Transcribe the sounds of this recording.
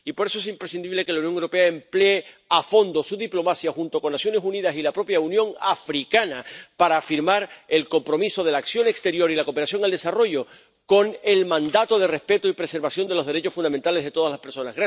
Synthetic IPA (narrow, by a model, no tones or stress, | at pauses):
ipo̞ɾe̞soe̞simpɾe̞sind̪iβle̞ke̞launjo̞ŋewɾo̞pe̞aemplee | afo̞nd̪o̞suðiplo̞masjaxunt̪o̞ko̞nːasjo̞ne̞suniðasilapɾo̞pjaunjõ̞ŋafɾikanapaɾaːfiɾmaɾe̞lko̞mpɾo̞miso̞ð̞e̞laːksjo̞ŋekst̪eɾjo̞ɾilako̞peɾasjo̞ŋald̪e̞saro̞ʝo̞ | ko̞ŋe̞lmãnd̪at̪o̞ð̞e̞re̞spe̞t̪oipɾe̞se̞ɾβasjo̞nd̪e̞lozðe̞ɾe̞t͡ʃo̞sfunament̪ale̞zðe̞t̪o̞ðazlaspe̞ɾso̞naɣɾa